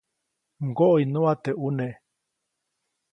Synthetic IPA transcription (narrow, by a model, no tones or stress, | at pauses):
ŋɡoʔoinũat̪eʔuneʔ